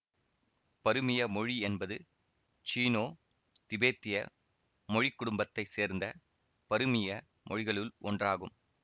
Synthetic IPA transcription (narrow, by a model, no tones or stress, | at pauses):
pɐɾɯmɪjɐmɔɻiɛnbɐðɯ | t͡ʃiːnoː | t̪ɪbeːt̪ːɪjɐ̰ | mɔɻɪkːʊɽʊmbɐt̪ːɐɪseːɾnd̪ɐ | pɐɾɯmɪjɐ | mʔɔ̰ɻɪɣɐɭɯlɔndraːɣɯm